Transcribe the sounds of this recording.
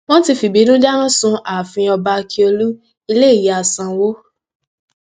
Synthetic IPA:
w̃ɔ̃˦ti˧fi˨bi˨˦dũ˦d͡ʒa˦ɾ̃ã˦sũ˧a˨fĩ˧ɔ˧ba˧ki˧˦o˧lu˦ | i˧le˦i˦˨ja˨sã˨wo˦

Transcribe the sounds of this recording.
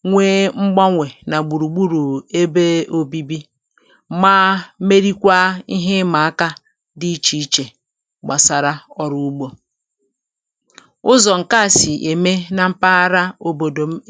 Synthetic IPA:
ŋʷeː˦ŋ͡m̩˦ɡ͡ba˦ŋʷe˨na˨ɡ͡bu˨ɾu˨ɡ͡bu˦ɾu˨e˦be˦o˦bi˦bi˦ | maː˦me˦ɾi˦kʷa˦i˦ɦe˦ma˨a˦ka˦ | di˦i˦t͡ʃi˦t͡ʃe˨ | ɡ͡ba˨sa˨ɾa˦ɔ˦ɾu˦u˦ɡ͡bo˦ | ʊ˦zɔ˨ŋ̩˨ka˦˨si˨ʔe˨me˦na˨m̩˦pa˦a˦ɾa˦o˨bo˨do˨˦

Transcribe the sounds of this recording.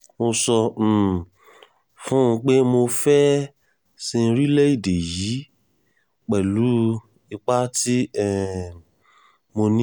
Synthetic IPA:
mo˧sɔ˧˦˨ | fũ˦˧k͡pe˦mo˧fɛ˦ | sĩ˧ɾi˦lɛ˦i˦˨de˨ji˨˦ | k͡pɛ˨lu˨˦ | i˧k͡pa˦ti˦ɛ˦˨ | mo˧nĩ˦

